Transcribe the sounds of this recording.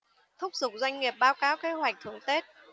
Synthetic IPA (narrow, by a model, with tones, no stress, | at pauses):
t̪ʰʊ˦˥k͡p̚zʊ˨˩k͡p̚zwa˧jŋ̟ŋi˨˩əp̚ɓaː˨˦wkaː˨˦wke˨˦ɦwa˨˩k̚t̪ʰɨ˧˩əŋt̪e˦˥t̚